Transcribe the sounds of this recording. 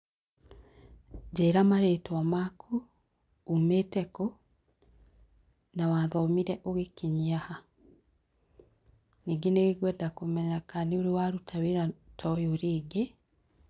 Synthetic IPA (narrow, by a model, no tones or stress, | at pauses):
d͡ʒeːɾamaɾeːtwamakʰu | umetɛko | nawaðɔmiɾɛʔoɣekiɲiaha | niːɡeneɣeɣwɛːndakomɛɲakaneoɾewaɾutʰaweɾatʰɔjoɾeːɡe